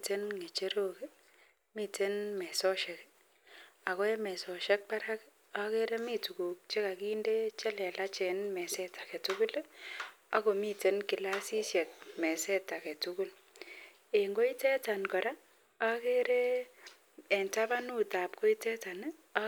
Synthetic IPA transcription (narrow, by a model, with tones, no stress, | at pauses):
te˦nŋe˨t͡ʃe˦ɾo˦ke˦ | mi˦te˦nmɛ˨sɔ˦ʃe˨k | a˨ko˦e˦mɛ˨sɔ˨ʃe˦k̚pa˦ɾa˦k | a˦ke˦ɾe˦mi˦tu˨ku˨k̚t͡ʃe˦ka˨ki˦nde˦t͡ʃɛ˦lɛ˨la˦t͡ʃe˨nmɛ˨sɛ˦ta˨ke˨tuku˦l | a̰˦ko˨mi˦te˦nki˨la˦si˦sje˨t̚mɛ˨sɛ˦ta˨ke˨tu˦ku˦l | e˨ŋɡo˦i˦tɛ˦ta˨nkɔ˨ɾa˦ | a˦ke˦ɾe˦ | e˨nta˦ba˦nu˦ta˨pko˦i˦tɛ˦ta˨n˦